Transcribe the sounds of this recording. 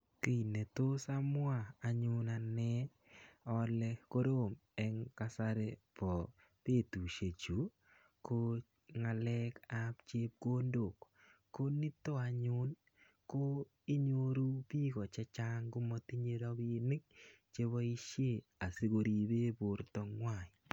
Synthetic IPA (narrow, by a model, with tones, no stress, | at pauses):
ki˨ne˨to˦sa˦mʊ˦a˦˨a˨ɲʊ˦na˨nɛ˦ | ɔ˦lɛ˧ko˦ɾo˦˨mɛ˨˦ŋka˦sa˦ɾe˨pɔ˨ | te˦˨tu˨ʃe˨t͡ʃu˨ | ko˦ | ŋa˨lɛ˦ka˦pt͡ʃe˦p̚ɡo˦ndo˨kː | o˦nɪ˦to˦a˨ɲʊ˦n | ko˦ | i˦ɲo˦ɾu˦pi˦kɔ˨t͡ʃɛ˦t͡ʃa˦ŋɡʊ˦mɔ˦ti˦ɲe˦ɾɔ˦kɪ˦nɪ˦k̚ | t͡ʃe˦βɔ˦i˦ʃje˦˨a˨si˦ko˨ɾi˨be˦bʊ˨ɾtɔ˨ŋwa˨ɲ˨